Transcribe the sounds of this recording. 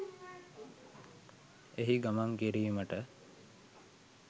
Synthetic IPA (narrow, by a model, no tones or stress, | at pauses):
eɦiɡamaŋkiɾiːməʈə